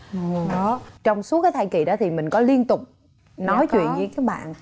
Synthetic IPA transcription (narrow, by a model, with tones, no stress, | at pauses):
ɔ˨˦t͡ɕɔ˧wŋ͡msu˨˦˥kaː˨˦jt̪ʰaː˧jki˧˨˩ɗɔ˨˦t̪ʰi˨˩mï˨˩ŋ̟kɔ˨˦li˧ənt̪ʊ˨˩k͡p̚ | nɔ˨˦jt͡ɕwḭ˧˨ənɲɨ˧kaː˨˦ɓa̰ː˧˨n˨